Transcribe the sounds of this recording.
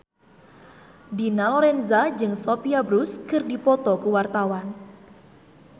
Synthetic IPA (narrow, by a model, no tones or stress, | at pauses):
dinalɔɾɛnzad͡ʒɨŋsopiabɾuskɨrdipɔt̪ɔkuwart̪awan